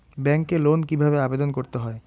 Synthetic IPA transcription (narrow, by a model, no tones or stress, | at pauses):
bɛŋkelonkibʱabeabed̪onkoɾt̪eɦɔe